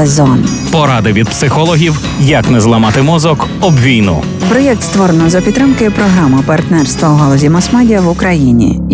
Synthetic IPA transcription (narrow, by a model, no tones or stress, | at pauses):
ezɔn | pɔɾɑd̪ɪʋʲid̪̚psɪxɔlˠɔɦʲiw | jɐknɛzlˠɐmɑt̪ɪmɔzɔkɔbʋʲijnṵ | bɾɔjɛkt̪st̪ʋɔɾenɔzɐpʲt̪t̪ːɾɪmkɪpɾɔɦɾamɪpɐrt̪nɛrst̪ʋɐuɦɔlˠɔzʲimɐsmadʲijɐwʊkɾɐjinʲḭ